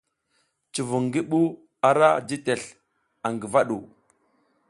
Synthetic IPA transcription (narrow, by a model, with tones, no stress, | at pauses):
t͡ʃi˨vu˨ŋɡi˦ɓu˦ | a˨ɾa˦d͡ʒi˦te˨ɬ | a˨ŋɡi˨va˦ɗu˨